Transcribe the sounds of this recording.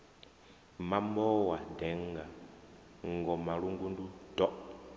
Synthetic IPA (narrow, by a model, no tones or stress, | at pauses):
mambɔwadɛŋɡa | ŋɡɔmaɺuŋɡundud̥ɔ